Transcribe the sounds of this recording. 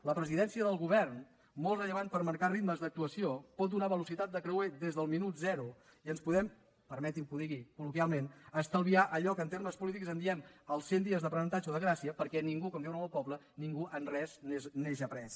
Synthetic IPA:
ləpɾəziðɛnsiəðəlˠɣuβ̞ɛrn | mɔlˠtrəʎəβant̪̚pəɾməɾkarit̪məzðək̚t̪uəsiopɔt̪̚d̪unaβəlusit̪at̪̚d̪əkɾəweðezðəlˠminut̪zɛɾu | iənspuðɛm | pəɾmɛt̪imkuðiɣikulukjalˠmenəst̪əlˠβiaʔəʎɔkənt̪eɾməspulit̪̬ikzənd̪iɛməlˠsend̪iəzðəpɾənənt̪ad͡ʒoðəɣɾasiəpəɾkɛniŋɡukɔmd̪ɛwnəəlˠpɔβlə | niŋɡuʔənrɛsnezneʒəpɾɛs

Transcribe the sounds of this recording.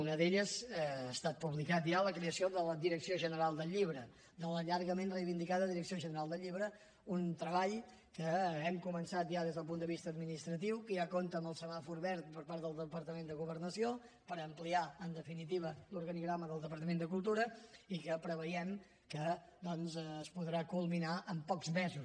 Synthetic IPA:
unəðeʎəzast̪at̪̚puβlikat̪ʒaləkɾeəsioðələðiɾəksioʒənəɾalˠd̪əʎːiβɾə | d̪ələʎaɾɣəmenrəjβind̪ikaðəðiɾəksioʒənəɾalˠd̪əʎːiβɾə | unt̪ɾəβaʎ | kəɛmkumənsat̪ʒaðezðəlˠp̬unəβist̪əːd̪minist̪ɾət̪iwkəjakont̪əməlˠsəβafuɾβɛɾt̪̚pəɾpaɾt̪d̪əlˠd̪əpəɾt̪əmend̪əɣuβəɾnəsio | pəɾəmpliaənd̪əfinit̪̬iβəluɾɣəniɣɾaməðəlˠd̪əpəɾt̪əmend̪əkulˠt̪uɾəikəpɾəβəjɛm | kəd̪ɔnzːspuðɾakulˠminaʔəmpɔkzmɛzu

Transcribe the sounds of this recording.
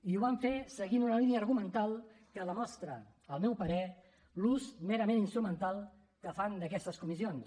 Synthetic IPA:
iuβaɱfesəɣinunəlinəːɾɣumənt̪alˠkələmɔst̪ɾə | əlˠmɛwpəɾɛ | luzmeɾəmeninst̪ɾumənt̪alˠ | kəfand̪əkɛst̪əskumisions

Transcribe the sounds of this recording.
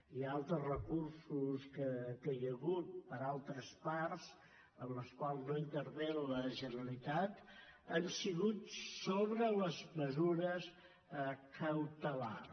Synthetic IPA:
ialˠt̪ɾəzrəkursuskəkəjəɣut̪̚pəɾalˠt̪ɾəsparz | əmləskwalˠznoint̪əɾβenləʒənəlit̪at̪ənsiɣut̪soβɾələzməzuɾəs | kʰəwt̪əla̰

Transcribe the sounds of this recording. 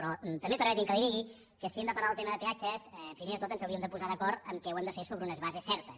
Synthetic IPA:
pɾɔt̪əmbepəɾmɛt̪imkəliðiɣi | kəsiemd̪əpəɾaðlˠt̪eməðəpeat͡ʃəsɛpɾimeðət̪ot̪ənzəwɾiəmd̪əpuzaðəkɔɾt̪əmkɛuwɛmd̪əfesoβɾəunəzβazesːɛɾt̪əs

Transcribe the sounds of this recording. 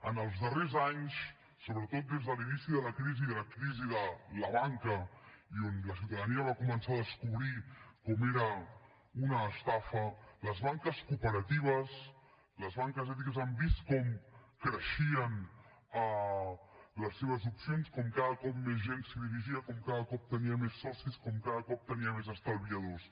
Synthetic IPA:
ənəlˠzðərezaɲsː | oβɾət̪ot̪̚d̪ezðəlinisiðələkɾiziðələkɾiziðələβaŋkəionləsiwt̪əðəniəβ̞akumənsaðəskuβɾikɔmeɾə | unəːst̪afələzβaŋkəskupəɾət̪iβ̞əs | ləzβaŋkəzɛt̪̬ikəzambist̪kɔmkɾəʃiən | ə | ləsːeβ̞əzupsionskɔmkaðəkɔp̚mezʒensiðiɾiʒiəkɔmkaðəkɔp̚t̪əniəmesːɔsiskɔmkaðəkɔp̚t̪əniəmezəst̪əlˠβiəð̞os

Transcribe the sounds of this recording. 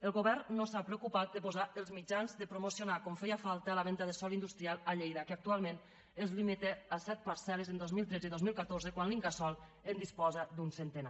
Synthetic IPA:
əlˠɣoβɛɾnosapɾeukupat̪̚d̪əpozaəlˠzmid͡ʒanzd̪əpɾomosionakɔɱfɛjafalˠt̪əlaβɛnt̪aðəsɔlind̪ust̪ɾialˠaʎejðakəak̚t̪ualˠmen | ezlimit̪easɛt̪̚paɾsɛlezənd̪ozmilˠt̪ɾɛd͡ziðozmilˠkat̪orzəkwanliŋɡasɔlˠ | end̪ispɔzad̪unsent̪ena

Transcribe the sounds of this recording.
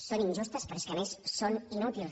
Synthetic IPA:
soniɲʲʒust̪əspəɾskeəmesːoninut̪ilˠ

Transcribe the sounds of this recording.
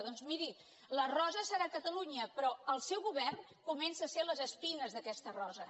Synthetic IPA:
ðɔnzmiɾi | lərɔzəsəɾakət̪əluɲəpɾɔəlˠsɛwɣuβɛrn | kumɛnsaəseləzəspinəzðəkɛst̪ərɔzə

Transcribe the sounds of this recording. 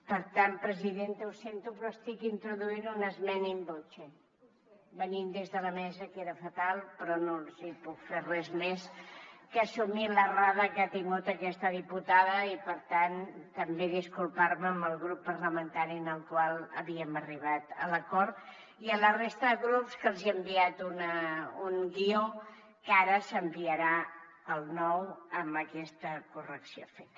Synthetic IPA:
pəɾt̪ampɾəziðent̪əusent̪upɾɔəst̪ikint̪ɾuðuiɾunəzmɛnimbot͡ʃe | bənimd̪ezðələmɛzəkeɾəfət̪alˠpɾɔnonzipukferɛzmeskəsumiləraðəkat̪iŋɡut̪əkɛst̪əðiput̪aðəipəɾt̪ant̪əmbeðiskulˠpaɾməːmbəlˠɣɾupːəɾləmənt̪aɾiənəlˠkwalˠəβiəməriβ̞at̪ə̰ləkɔɾt̪ | iələrest̪əðəɣɾupskəlˠziəmbiat̪unəuŋɡio | kaɾəsəmbiəɾa | əlˠnɔwəmbəkɛst̪əkurəksio̰fet̪

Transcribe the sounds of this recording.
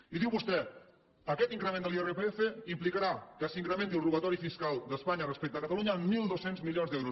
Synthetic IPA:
iðiwβust̪ɛ | əkɛt̪iŋkɾəmẽnd̪əlierepeefeimplikaɾakəsiŋkɾəment̪iulˠruɣət̪ɔɾifiskalˠd̪əspaɲərəspɛk̚t̪əːkət̪aluɲəːmːilˠd̪osenzmiljonzd̪ɛwɾu

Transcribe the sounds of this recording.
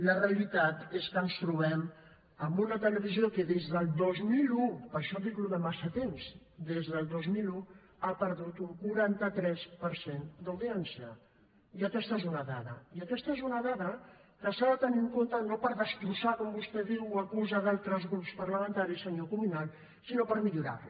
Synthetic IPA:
ləreəlit̪at̪eskənst̪ɾuβ̞ɛm | əmbunət̪ələβiziokəðezðəlˠd̪ozmilupəɾʃɔt̪ikluðəmasət̪emzd̪ezðəlˠd̪ozmilu | apəɾðut̪uŋkuɾant̪ət̪ɾɛspəɾsend̪awðiɛnsiə | iəkɛst̪əezunəðaðə̰iəkɛst̪əezunəðaðəkəsaðət̪əniŋkont̪ənopəɾðəst̪ɾusakɔmbust̪ɛðiwakuzəðalˠt̪ɾəzɣɾupspɐɾləmənt̪aɾisːəɲokumunal | sinopəɾmiʎuɾa̰r

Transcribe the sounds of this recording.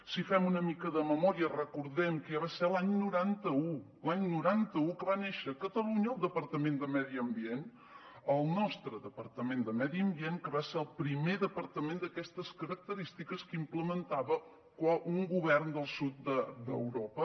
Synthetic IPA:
sifɛmunəmikəðəməmɔɾiərəkuɾðɛmkɛβaseɾlaɲnuɾant̪əu | laɲnuɾant̪əukəβaneʃəkət̪əluɲəlˠd̪əpəɾt̪əmẽnd̪əmɛðiəmbien | əlˠnɔst̪ɾəðəpəɾt̪əmend̪əmɛðiəmbienkəβaseɾəlˠpɾimeðəpəɾt̪əmẽnd̪əkɛst̪əskəɾək̚t̪əɾist̪ikəskimpləmənt̪aβə | kwaʔuŋɡuβɛrnd̪əlˠsut̪̚d̪əd̪ə̰wɾɔpə

